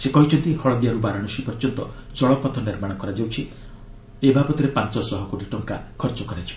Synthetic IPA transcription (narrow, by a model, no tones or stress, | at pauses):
sekɔɦit͡ʃʰɔnt̪ihɔɭɔd̪iaɾubaɾɔɽ̃ɔʃipɔɾt͡ʃɔnt̪ɔt͡ʃɔɭɔpɔt̪ʰɔniɾmaɽ̃ɔkɔɾad͡ʒawt͡ʃʰi | ebabɔt̪iɾepant͡ʃɔsɔɦɔkoʈiʈɔŋkakʰɔɾt͡ʃɔkɔɾajt͡ʃʰi̥